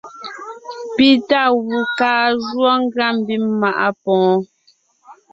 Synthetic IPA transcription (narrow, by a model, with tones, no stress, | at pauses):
pi˦ta˦˨ɣu˨kaː˦ʒwɔ˦ŋ̩˦ɡɰa˦˨m˨bi˦mma˨ʔa˦pɔ̃ː˨˦